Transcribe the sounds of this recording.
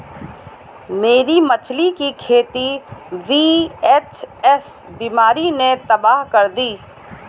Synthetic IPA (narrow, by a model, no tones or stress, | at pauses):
meːɾimɐt͡ʃʰlikikʰeːt̪iʋiːet͡ʃɛsbiːmaːɾinet̪ɐbaːɦkɐɾd̪iː